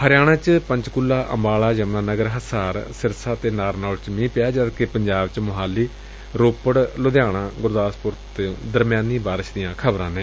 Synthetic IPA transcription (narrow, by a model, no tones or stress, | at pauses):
həɾɪjaːɽ̃ãːt͡ʃpəɲt͡ʃkʊlːaːʔə̰mbaːɭaːd͡ʒəmnãːnəɡəɾɦəsaːɾsɪɾsaːt̪eːnaːɾnaːlt͡ʃmĩːpɪjaːd͡ʒəd̪kepəɲd͡ʒaːbt͡ʃmʊɦaːlːiː | ɾoːpəɽlʊd̪jaːɽ̃ãːɡʊɾd̪aːspʊɾt̪ːd̪əɾmjaːniːbaːɾɪʃd̪ɪjãːkʰəbɾãːnẽː